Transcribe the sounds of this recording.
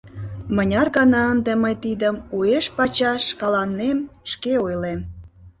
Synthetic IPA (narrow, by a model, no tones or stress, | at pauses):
mənʲɑrɣɑnɑənd̪eməjt̪id̪əmueʃpɑt͡ɕɑʃkɑlɑnːemʃkeojlem